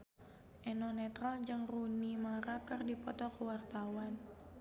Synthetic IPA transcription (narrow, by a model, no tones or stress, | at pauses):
ʔɛnɔnɛt̪ɾald͡ʒəŋrunimaɾakərdipɔt̪ɔkəwart̪awan